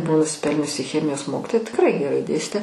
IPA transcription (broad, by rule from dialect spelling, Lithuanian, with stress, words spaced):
ˈbʊʋoː nʊsʲɪˈpʲɛlʲnʲʊsʲɪ ˈxʲæːmʲɪjoːs ˈmoːkʲɪtoːjɛ tʲɪkˈrɐɪ ɡʲɛˈrɐɪ ˈdʲeːsʲtʲeː